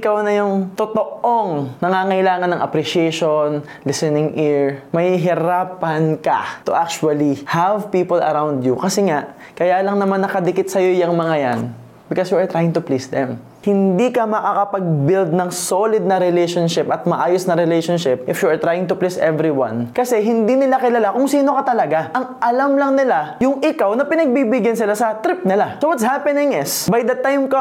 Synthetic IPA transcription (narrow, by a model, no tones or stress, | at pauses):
ʔɪkawnɐjʊŋt̪ot̪oʔoŋnɐŋaːŋɐʔɪlaːŋɐnːɐŋʔɐpɾiʃɪɛʃon | lɪsɛnɪŋʔiɹmɐhiɦɪɾaːpɐnkɐ̰t̪ʊʔak̚t͡ʃʊɐlihavpiːpolɐ̰ɾawnd̪jukɐsɛŋaʔ | kɐjaːlɐŋnɐmanːɐkɐd̪ɪkɪt̪̚sɐjo̞jɐŋmɐŋajan | bɪkosjuɐɹt̪ɾajɪŋt̪ʊplisd̪ɛm | hɪnd̪iːkɐmɐkakɐpɐɡ̚bɪld̪̚nɐŋsolɪd̪̚nɐɾɪlɛjʃonʃɪpɐt̪̚mɐʔaːjosnɐɾɛlejʃonʃɪp̚ʔɪfjuɐɹt̪ɾajɪ̃ŋt̪ʊplisʔɛvɾiwa̰nkɐsɛɦɪnd̪iːnɪlakɪlalakʊŋsiːno̞kɐt̪ɐlɐɡaʔɐŋʔɐlamlɐŋnɪlajʊŋʔɪkawnɐpɪnɐɡ̚bibɪɡjɐnsɪlasɐt̪ɾɪp̚nɪlasowɐt̪shapɛnɪŋɪsbajd̪ɐt̪ajmkɐ